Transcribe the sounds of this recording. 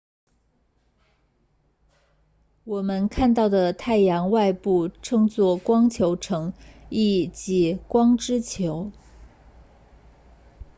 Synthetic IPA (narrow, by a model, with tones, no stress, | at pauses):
wɔ˨˩mə˧˦nkʰa˥˧nt̪ɑ˥˩ʊd̪ə˩t̪ʰa˥˩ɪjɑ˧˥ŋwa˥˧ɪpu˥˩ʈ͡ʂʰɤ˥˧ŋt͡swɔ˥˩kwɑ˥ŋt͡ɕʰjo˧˥ʊʈ͡ʂʰɤ˧˥ŋi˥˩t͡ɕi˧˥kwɑ˥ŋʈ͡ʂɻ̩˥t͡ɕʰjo˧˥ʊ